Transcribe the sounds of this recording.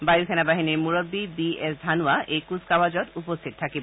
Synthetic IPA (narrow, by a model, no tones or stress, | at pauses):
bajukʰɛnabaɦiniɹmuɹobːibiesd̪ʱanuaʔejkuskawad͡ʑɔtupost̪ʰit̪̚tʰakib